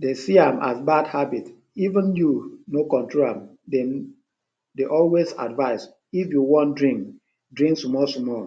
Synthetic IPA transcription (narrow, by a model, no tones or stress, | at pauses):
desiamʔa̰sbadhabit | ivə̃njunokɔ̃ntɹolã̰m | de | deʔɔlweza̰dvaɪs | ifjuwɔ̃ndɹĩŋk | dɹĩŋksmɔsmɔ